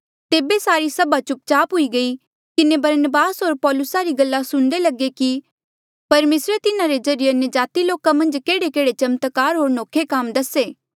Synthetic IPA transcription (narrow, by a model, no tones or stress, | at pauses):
t̪eːbesaːɾisɐbat͡ʃʊp̚t͡ʃaːpɦʊiɡɐi | kɪnebɐɾnəbaːsɦoːɾpɔːlʊsaɾiɡɐlːasʊ̃ɽ̃ɖ̪elɐɡeki | pɐɾmeːsɾet̪ɪnaɾed͡ʒɐɾɪjeɐnjəd͡ʒaːt̪iloːkamɐ̃nd͡ʒkeːɽekeːɽet͡ʃɐmt̪kaːɾɦoːɾnoːkʰːekaːmd̪ɐseː